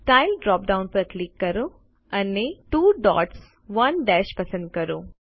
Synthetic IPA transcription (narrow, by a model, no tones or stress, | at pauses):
sʈaːɪlɖɾɔːp̚ɖãʊ̃npɐɾklikːɐɾo | ɐneʈuːɖɔ̰ːʈs | ʋɐnɖɛːʃpɐsə̃nd̪̚kɐɾoː